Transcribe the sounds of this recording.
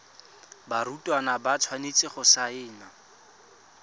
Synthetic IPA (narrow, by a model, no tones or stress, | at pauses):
baɾutʼwanabat͡sʰwanet͡sʼɪχʊsaɪːna